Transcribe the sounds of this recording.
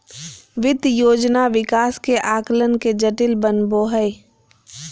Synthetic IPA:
ʋɪd̪joːd͡ʒnaʋɪkaːskeʔaːklənked͡ʒəʈɪlbənboːɦəɪ

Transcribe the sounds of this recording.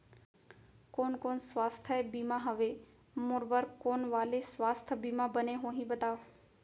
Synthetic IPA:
koːnkoːnsʋast̪ʰəebimãɦəʋe | moːɾbəɾkoːnʋaːlesʋast̪ʰəbimãbəneɦõɦĩbət̪aːʋ

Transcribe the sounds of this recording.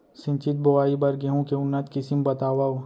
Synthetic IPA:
sɪ̃nt͡ʃɪt̪̚boʋaːibɐɾɡeɦũkeʊnːət̪kɪsimbɐt̪aːʋao

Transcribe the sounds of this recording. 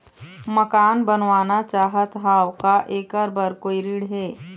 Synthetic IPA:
məkaːnbənʋaːnat͡ʃaːɦət̪ɦaːwkaʔeːkəɾbəɾkoːiɾiːɽɦɛː

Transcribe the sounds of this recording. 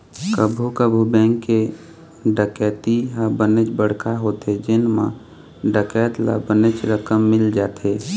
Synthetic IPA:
kəbʱukəbʱubɛ̃ːŋkːe | ɖəkɛːt̪iɦabənət͡ʃbəɽ̤kʰaɦoːt̪ed͡ʒenmã̰ | ɖəkɛːt̪la̰bənət͡ʃɾəkəmːɪld͡ʒaːt̪eː

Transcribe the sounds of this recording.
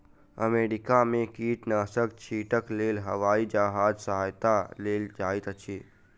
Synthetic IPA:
ə̰meːɾɪkamẽkiːʈnaːsəkt͡ʃʰiːʈəkleːlɦəʋaːid͡ʒaɦaːd͡ʒsəɦaːjt̪aleːld͡ʒaːit̪ət͡ʃʰiː

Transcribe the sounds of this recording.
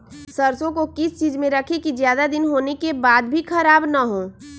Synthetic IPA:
sɐɾsõkokɪst͡ʃiːzmẽɾɐkʰekizjaːd̪ad̪ɪnɦoːnekebaːd̪bʱikʰɐɾaːbnaɦõː

